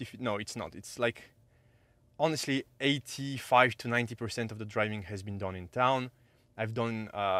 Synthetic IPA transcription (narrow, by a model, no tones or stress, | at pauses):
ɪfnoʊɨtsnə̰tɨtslaɪk | ɑnɨstˡlieɪtʰifaɪv̥tʰunãɪ̃ntipə˞sɛ̃ntʌvðədɹaɪvɪ̃ŋhɨzbɨ̃ndʌ̃nɪ̃ntʰãʊ̃n | ajvdʌ̃nʌ